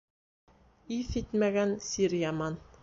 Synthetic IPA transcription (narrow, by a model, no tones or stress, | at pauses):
iθit̪mæɡænsiɾjamɑn